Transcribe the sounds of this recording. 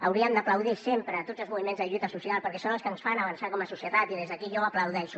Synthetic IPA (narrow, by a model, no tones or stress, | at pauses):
əwɾiəmd̪əpləwðisempɾət̪od͡zəlˠzmuβimenzðəʎut̪əsusialˠpəɾkɛsonəlskənsfanəβənsakɔməsusiət̪at̪iðezðəkiʒɔəpləwðɛʃu